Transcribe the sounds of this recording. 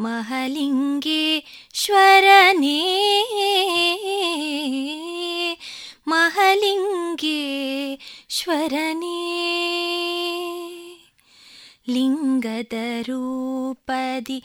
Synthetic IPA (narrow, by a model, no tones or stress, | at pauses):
mɐɦɐliŋɡeʃʋɐɾɐne | mɐɦɐliŋɡe | ʃʋɐɾɐne | liŋɡɐd̪ɐɾuːpɐd̪i